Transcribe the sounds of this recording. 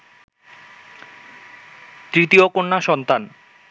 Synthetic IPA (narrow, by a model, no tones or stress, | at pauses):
t̪ɾit̪iokoɳːaʃɔnt̪an